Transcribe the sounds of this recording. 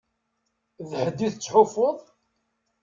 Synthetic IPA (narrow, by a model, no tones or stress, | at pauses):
ðhəd̪ːiθt͡sːħʊfəðˤ